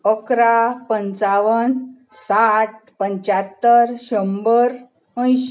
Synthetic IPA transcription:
əkɾapəɲt͡saʋən | saʈ̚pəɲt͡ɕat̪ːəɾɕəmbəɾ | ə̃j̃ɕ

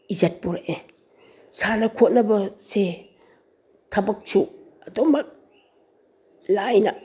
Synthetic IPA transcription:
izat̚puɾaʔe | sanakʰot̚nɐbɐse | tʰabak̚t͡ʃʰu | adɔmak̚ | lajna

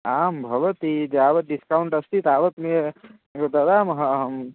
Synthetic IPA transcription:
aːmbʱɐʋət̪id͡ʒeaːʋət̪̚ɖiskauɳʈɐst̪it̪aːʋət̪mie | d̪ɐd̪aːmɦɐm

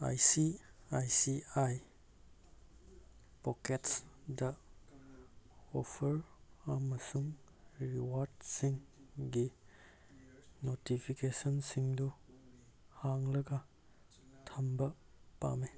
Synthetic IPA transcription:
a̰jsiajsiaj | poketsdɐ | opʰɐɾɐmɐsuŋ | ɾɾiwaɾdsiŋɡi | notipʰikesɔnsiŋdu | haŋlɐɡɐ | tʰɐmbɐ | pa̰me

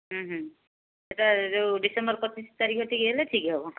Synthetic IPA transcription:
ɦə̃ɦə̃ | eʈazewɖisembɔɾpɔt͡ʃist̪aɾikʰɔʈikeleʈʰikɦɛbɔ

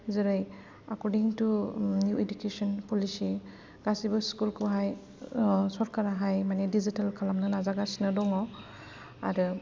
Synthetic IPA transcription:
zeɾɯj | akɔɾdiŋtunjuedukesɔnpɔlisi | ɡ̥asibɯskulkuɦaj | sɔɾkʰaɾaɦajmanedizitalkʰalamnɯnazaɡasnɯdɔŋɔ | a̰ɾɯ

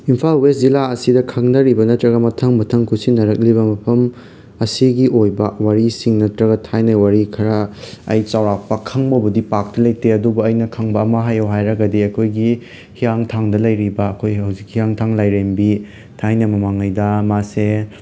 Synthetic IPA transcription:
impʰalweszilaɐsidɐkʰɐŋnɐɾibɐnɐtɾɐɡɐmɐtʰɐŋmɐtʰɐŋkʰusinːɐɾɐk̚liβɐmɐpʰɐm | ɐsiɡiʔojbɐwaɾisiŋnɐtɾɐɡɐtʰajnɐwaɾikʰɐɾɐ̰ːjt͡ʃawɾapɐkʰɐŋbɐbɐdipak̚tɐlɐjteɐdubuɐjnɐkʰɐŋbɐːmɐɦajewɦajɾɐɡɐdiɐkʰojɡi | hijaŋtʰaŋdɐlɐjɾibɐːkʰojɦawzik̚hijaŋtʰaŋlajɾembi | tʰajnɐmɐmaŋajdɐmase

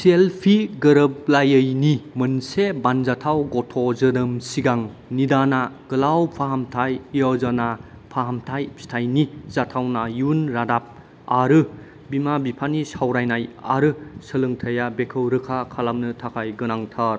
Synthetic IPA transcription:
sielpʰiɡɐɾɯblajəjnimɯnsebanzatʰawɡɔtʰɔzɯnɯmsiɡaŋnidanaɡ̥ɯlawpʰaɦamtʰajɔzana | pʰaɦamtʰajstʰajniz̥atʰawnajunɾadap̚ | aɾɯ | bimabipʰanisawɾajnaja̰ɾɯsəlɯŋtʰɐjabekʰɯwɾɯkʰakʰalamnɯtʰakʰajɡɯnaŋtʰaɾ

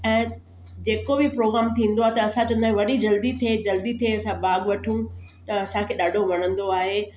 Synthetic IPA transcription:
ɛ̃ː | d͡ʑeːkobɪpɾoːɡɾaːmt̪ʰĩːn̆d̪oaːɦet̪ɐɐsãt͡ɕõɐ̃nd̪aːẽʋɐɗid͡ʑɐld̪it̪ʰed͡ʑɐld̪it̪ʰeɐsãbaːɡʋɐʈʰũ | t̪ɐɐsãkʰeːɗaːɖʱoʋɐñə̃nd̪oaːɦeː

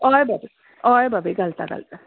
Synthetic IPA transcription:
ɔːjbɐbi | ɔːjbɐbiɡɐlt̪aɡɐ̰lt̪a

